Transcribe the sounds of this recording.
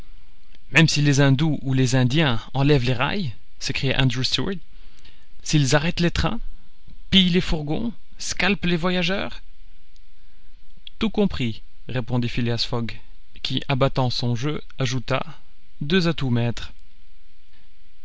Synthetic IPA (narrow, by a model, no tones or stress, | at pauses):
mɛmsilezɛ̃d̪uʔulezɛ̃d̪jɛ̃ɑ̃lɛvleʁa̰j | sekχija̰ʔã̰nd̪ʁust̪ut̪ | silzaʁɛt̪let̪χɛ̰̃ | pijlefuʁɡɔ̰̃ | skʲalplevwajaʒœ̰ːʁ | t̪ukɔ̃pχi | ʁepɔ̃d̪ifileasfɔɡ | kʲiʔabat̪ɑ̃sɔ̃ʒø | aʒut̪a̰ | d̪øzat̪umɛt̪χ